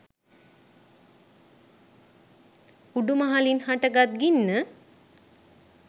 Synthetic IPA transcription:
uɖumaɦalinhaʈəɡat̪̚ɡinːə

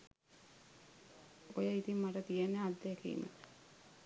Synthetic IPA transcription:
ojəit̪immaʈət̪ijenːead̪ːekḭmə̰

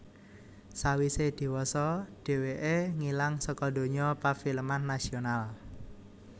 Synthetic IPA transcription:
sawised̪̥i̤wɔsɔɖ̥e̤weʔeŋilaŋsəkɔd̪̥o̤ɲɔpafiləmanːasional

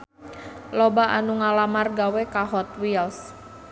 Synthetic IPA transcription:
lobaʔanuŋalamarɡawekaɦɔt̪̚wils

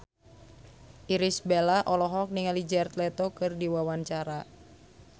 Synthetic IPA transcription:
ʔiɾisbelaʔɔlɔɦɔk̚niŋalid͡ʒart̪lɛt̪okɨrdiwawaɲt͡ʃaɾa

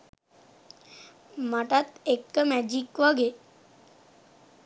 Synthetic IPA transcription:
maʈat̪ek̚t̪əmæd͡ʒikʋaɡe

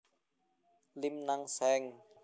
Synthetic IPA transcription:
limnaŋsɛŋ

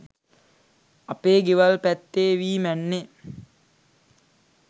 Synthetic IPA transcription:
ɐpeːɡeʋɐlpæt̪ːeːʋiːmænːe

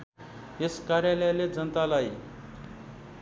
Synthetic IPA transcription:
eskaɾjaləjaled͡zənət̪alaji

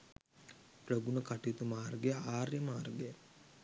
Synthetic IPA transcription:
pɾoɡunəkaʈiut̪umaːrɡejəaːrjəmaːrɡejə

